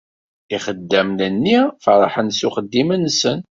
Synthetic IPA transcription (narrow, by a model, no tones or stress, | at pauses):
iχəd̪ːæmnənːifəɾˤɑ̰ħənsuχəd̪ːimənsən